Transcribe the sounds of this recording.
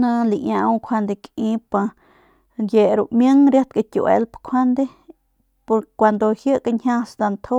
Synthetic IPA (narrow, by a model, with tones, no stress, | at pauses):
nã˧li˧ɲa˧u˧kʰʷa˧nd̪e˧kĩ˦pa˧ | je˨ɾu˧˨ʔmjə˦ŋɾja˦t̪ka˧t̪ʲṵ˧wʔḛ˧lpkʷʰwa˦nd̪e˦ | po˧ɾkʷa˧˨nd̪o˧hjə˦ka˧ɲhã˦sd̪a˧nt̪ʰo˦